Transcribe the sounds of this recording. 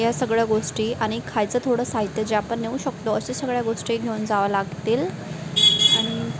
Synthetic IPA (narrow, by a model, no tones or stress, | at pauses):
jasəɡɭjaɡoʂʈiːʔaɽ̃ikʰajt͡sət̪ʰoɽəsaɦit̪jed͡ʑeapəɳnːeuɕəkt̪əəɕesəɡɭjaɡoʂʈiːɡʱeund͡zaʋalaɡt̪iːl | aɽ̃i